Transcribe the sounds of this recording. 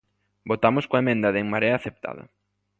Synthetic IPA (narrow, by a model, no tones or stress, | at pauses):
bot̪amʊskoemẽnd̪aðeŋmaɾeaːθep̚t̪a̰ðɐ̰